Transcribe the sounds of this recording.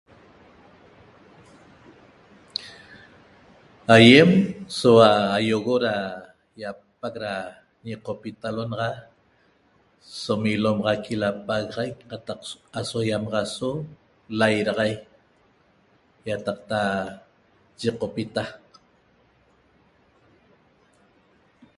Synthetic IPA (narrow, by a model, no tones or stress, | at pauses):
ajemsowaːjoɣoɾa | japak̚ɾa | ɲiqopit̪alonɑʁɑ | somilomʁɑkilapaɣɑʁajk̚qɑt̪ɑqasojamɑʁɑso | lajɾɑʁɑj | jat̪ɑqt̪a | t͡ʃiqopit̪a